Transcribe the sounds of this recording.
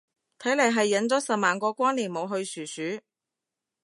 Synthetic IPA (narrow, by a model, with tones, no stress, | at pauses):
t̪ʰɐ˨˥jlɐ˨˩jɦɐ˨jːɐ˨˥nt͡sɔː˨˥sɐ˨p̚maː˨nkɔː˧kʷaː˥nliː˨˩nmo˨˧wɦɵ˧ɥsyː˨˩syː˨˥